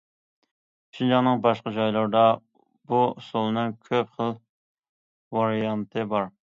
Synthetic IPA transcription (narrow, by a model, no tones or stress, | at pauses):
ʃid͡ʒɑnɨŋbɑʃqɑd͡ʒɑjlˠɑɾd̪ɑ | busolˠɨnɨŋkʲʰøpχəlˠ | vɑɾijɑnt̪ʰɨbɑɾ